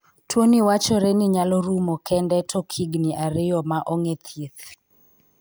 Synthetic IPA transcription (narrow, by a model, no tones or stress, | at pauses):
twoniwat͡ʃɔɾeniɲalɔɾumokʰɛndɛtʰɔkʰiɡniʔaɾɪjɔmaʔoŋet̪ʰjet̪